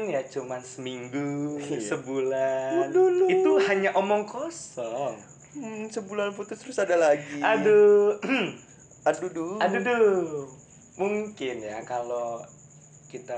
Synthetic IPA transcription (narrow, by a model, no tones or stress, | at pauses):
njat͡ʃumansəmiŋɡusəbulanduluit̪uhaɲaʔomɔŋkosɔŋ | səbulanput̪ut̪əɾʊsadalaɡiadu | aduduadudu | muŋkɪnja̰kalo | kit̪a